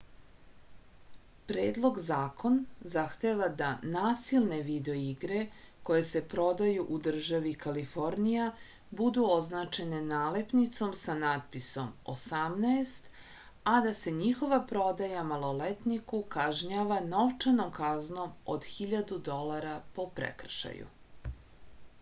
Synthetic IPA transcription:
pɾeːd̪lˠo̞ɡzaːkʰo̞nzaxt̪eʋad̪anaːsilˠne̞ʋid̪eoiɡɾe̞ko̞je̞se̞pɾo̞d̪ajuʔud̪r̩ʒaʋikalifo̞ɾnija | bud̪uoznat͡ʃe̞ne̞naːlepnit̪so̞msanat̪̚piso̞mo̰samnaest̪ | ad̪ase̞ɲixo̞ʋapɾo̞d̪ajamalo̞let̪nikukaʒɲaʋano̞ʋt͡ʃano̞mkazno̞mo̰d̪xiʎad̪ud̪o̞laɾapo̞pɾḛkr̩ʃa̰jṵ

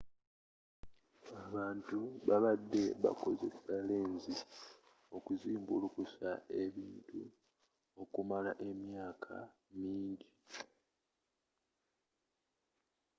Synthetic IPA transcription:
aβaːntuβaβadːe̞βa̰ko̞ze̞sale̞ːnzi | o̞kuziːmbulukusae̞βiːntu | o̞kumalaʔe̞mjaːkʰa̰ | miːɲɟi

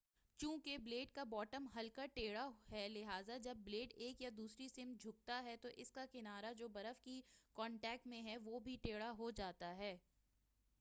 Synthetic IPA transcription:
t͡ʃũːkebleːʈ̚kabɔːʈəmɦɐlkaʈeːɽaɦɛlɪɦaːzad͡ʒɐbːleːʈeːkjad̪uːsɾisɪ̃m̚d͡ʒʱʊk̚t̪aɦɛt̪oʔɪskakɪnaːɾad͡ʒoːbɐɾəfkikɔ̃ːɳʈɛːk̚ʈmẽɦɛʋoːbʱiʈeːɽaɦod͡ʒaːt̪aɦɛː

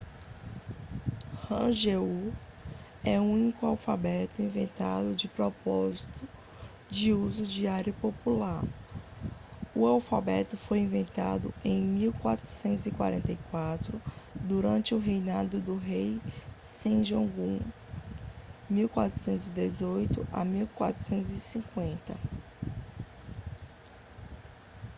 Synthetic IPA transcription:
hɐ̃ʒeu | ɛuũnikʊawfabɛt̪ʊĩvẽnt̪a̰d̪ʊd͡ʒɪpɾɔpɔzit̪ʊ | d͡ʒɪuzʊd͡ʒiaɾʊpopulaɾ | ʊawfabɛt̪ʊfojĩvẽnt̪a̰d̪ʊ̰ẽj̃miwkwat̪ɾʊ̥sẽnt̪ʊzɪkwa̰ɾẽnt̪ɐjkwat̪ɾʊd̪uɾɐ̃nt͡ʃɪʊɦejnad̪ʊd̪ʊɦejsẽʒõɡũ | miwkwa̰t̪ɾʊ̥sẽnt̪ʊzɪd̪ezojt̪ʊʔa̰miwkwa̰t̪ɾʊ̥sẽnt̪ʊzisĩkwẽnt̪ɐ̰

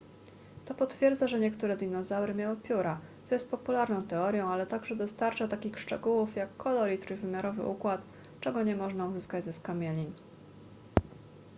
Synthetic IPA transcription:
t̪ɔpɔt̪fʲjɛɾd̪zaʐɛɲɛkt̪uɾɛd̪ʲinɔzawɾɘmʲjawɘpʲjuɾat̪sɔjɛst̪pɔpulaɾnɔ̃w̃t̪ɛɔɾjɔ̃w̃alɛt̪aɡʐɛd̪ɔst̪aɾt͡ʂat̪akʲixʂt͡ʂɛ̰ɡuwufjakːɔlɔɾʲit̪ɾujvɘmʲjaɾɔvɘ̰ʔukwat̪ | t͡ʂɛɡɔɲɛmɔʐnauzɘskad͡ʑzɛskamʲjɛlʲin

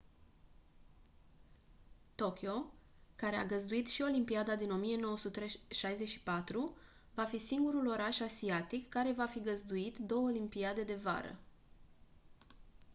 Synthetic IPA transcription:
t̪o̞kʲio̞ | kaɾe̞a̰ɡəzd̪uit̪ʃio̞limpiad̪ad̪ino̞mije̞no̞wəsut̪ːɾeʃajze̞ʃi̥pat̪ɾu | vafisiŋɡuɾulo̞ɾaʃasiat̪ikːaɾe̞vafiɡəzd̪uit̪d̪o̞wəolimpiad̪e̞d̪e̞va̰ɾə̰

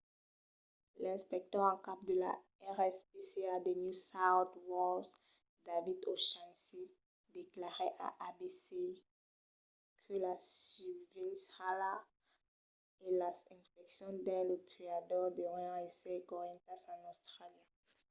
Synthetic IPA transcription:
lɛ̃spɛk̚t̪œʁɑ̃kap̚d̪əla̰ | ɛʁɛspesead̪enjusawt̪wɔld | d̪avid̪oʃãnse | d̪eklaʁeʔa̰ʔabese | kʰəlasyvishala | elaɛ̃spɛksjɔ̃d̪ɛ̃lot̪ʰiad̪ɔʁd̪əʁ̃ɛsɛkɔʁjɑ̃t̪asɔ̃nost̪ʁaljã

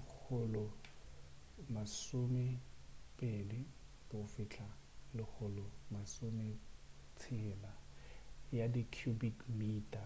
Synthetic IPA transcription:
k͡xʰʊlʊ | masʊmɪpʼelɪ | kʼɪʊfɪt͡ɬʰalɪk͡xʰʊlʊmasʊmɪt͡sʰɪla | jadikʰjubikmiːtʼa

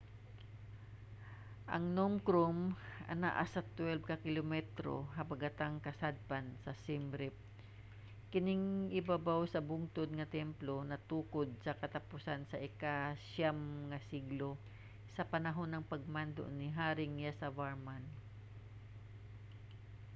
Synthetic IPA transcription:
ʔɐ̰ŋnomkɾomʔɐ̰na̰ʔa̰sɐt̪wɛlb̚kɐkɪlomɛt̪ɾo̰ɦɐbɐɡat̪aŋkɐsad̪̚pansɐsɪmɾɪp̚ | kɪnɪŋʔɪbabawsɐbʊŋt̪od̪̚ŋɐt̪ɛmplonɐt̪uːkod̪̚sɐkɐt̪apʊsansɐʔɪkaʃjamŋɐsiɡlo | sɐpɐnɐɦonːɐŋpɐɡ̚mand̪o̰ʔnɪɦaːɾɪŋjasɐvaɹman

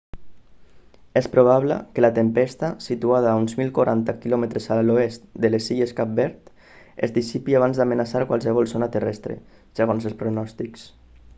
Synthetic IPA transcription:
ɛspɾuβ̞aβlə̰kəlat̪empɛst̪asit̪uaðaːunzmilˠkwaɾʔa̰nt̪akilɔmət̪ɾezaloest̪d̪əlesiʎeskap̚bɛɾt̪ | ḛzd̪isipiaβ̞anzd̪amənasaɾkwalˠsəβ̞ɔlˠsonat̪ərɛst̪ɾḛ | səɣ̞onsəlˠspɾunɔst̪iks

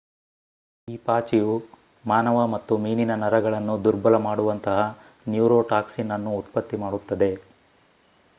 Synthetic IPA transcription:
iːpaːt͡ʃiju | maːnɐʋɐmɐt̪ːumiːninɐnɐɾɐɡɐɭɐnːud̪uɾbɐlɐmaːɽuʋɐnt̪ɐɦɐ | njuːɾoːʈaːksinɐnːuːt̪pɐt̪ːimaːɽut̪ːɐd̪e̞

